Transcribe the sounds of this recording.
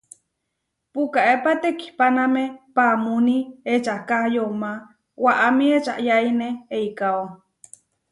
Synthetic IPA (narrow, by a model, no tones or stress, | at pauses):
pukaʔepat̪eki̥panamepamuniet͡ʃakahjoma | waʔamĩet͡ʃa̰ʔjaineːikao